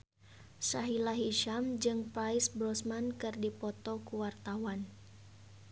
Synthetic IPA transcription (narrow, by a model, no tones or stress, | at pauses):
saɦilaɦiʃamd͡ʒɨŋpaisbɾɔsmankɨrdipɔt̪ɔkuwart̪awan